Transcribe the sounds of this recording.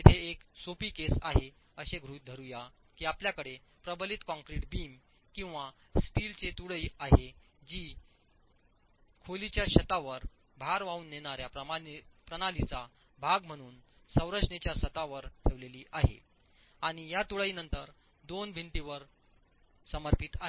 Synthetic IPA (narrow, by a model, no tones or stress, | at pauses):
et̪ʰeːksopiːkesa̰ɦe | əɕeɡʱɾuːd̪ʱəɾuja | kiːapljakəɽepɾəbəlit̪kɔ̃ŋkɾiʈbiːm | kĩw̃ʋasʈilt͡set̪uɽəiːaɦe | d͡ʑiː | kʰolit͡ɕjaɕət̪aʋəɾ | bʱaɾʋauːnːeɽ̃aɾjapɾəmapɾəɽ̃alit͡sa | bʱaɡm̤əɽ̃uːn | sə̃wɾəʂɳet͡ɕjaɕət̪aʋəɾʈʰeʋleliːʔaɦḛ | aɽ̃ijat̪uɭəiːnənt̪əɾ | d̪onbʱiɳʈiʋəɾ | səməɾpit̪a